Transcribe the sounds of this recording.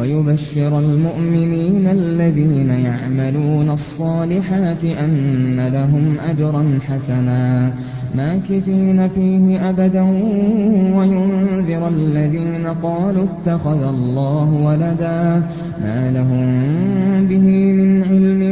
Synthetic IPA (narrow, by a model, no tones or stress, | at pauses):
wajʊbaʃːɪɾalmʊʔmɪniːnalːaðiːnajaʕmaluːnasˤːɑːlɪħaːt̪ɪʔanːalaɦʊmʔad͡ʒɾˤɑnħasanaː | maːkɪfiːnafiːɦɪʔabad̪a | wajʊnnðɨɾʔalːaðiːnaqɑːluːɪt̪ːaxaðalˤːɑːɦʊwalad̪aː | maːlaɦʊm | bɪhiːmɪnʕɪlmɪ